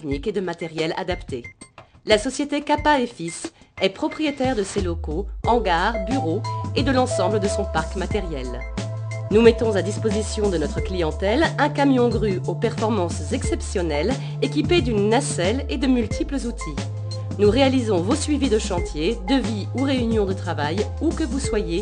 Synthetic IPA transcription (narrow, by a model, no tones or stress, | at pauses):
ɛkniked̪əmat̪ɛʁjɛla̰d̪apt̪elasɔsjet̪ekapaefisɛpχɔpχijet̪ɛʁd̪əselɔkoɑ̃ɡaʁbyʁoed̪əlɑ̃sɑ̃bləd̪əsɔ̃paʁkmat̪ɛʁjɛl | numɛt̪ɔ̃zad̪ispozisjɔ̃d̪ənɔt̪χəklijɑ̃t̪ɛlɛ̃kamjɔ̃ɡʁyopɛʁfɔʁmɑ̃szɛksɛpsjɔnɛl | ekʲiped̪ynːasɛled̪əmylt̪ʰipləzut̪ʰi | nuʁealizɔ̃vosɥivid̪əʃɑ̃t̪jed̪əvi | uʁeynjɔ̃d̪ət̪χavaj | ukəvuswaje